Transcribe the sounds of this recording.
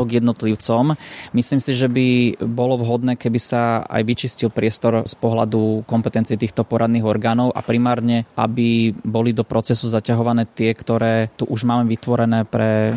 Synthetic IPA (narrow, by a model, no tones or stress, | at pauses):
ɡjɛd̪nɔt̪liʊt͡sɔmmisliːmsiʒɛbibɔlɔʋɦɔd̪nɛːkɛbisaa̰jʋit͡ʃiscilpɾɪɛst̪ɔɾspɔɦla̰d̪ukɔmpɛt̪ɛnt͡siɛt̪iːxt̪ɔpɔɾad̪niːɣɔɾɡaːnɔʊʔa̰pɾimaːɾɲɛʔa̰bibɔlid̪ɔpɾɔt͡sɛsuzacaɦɔʋanɛːt̪ɪɛkt̪ɔɾɛːt̪uʔuʒmaːmɛʋit̪ʋɔɾɛnɛːpɾɛ